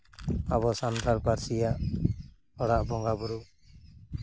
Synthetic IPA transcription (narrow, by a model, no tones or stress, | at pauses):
aβɔsand̪ʰʱaɾpaɾsijaʔ | ɔɽaʔbɔŋɡabɔɾu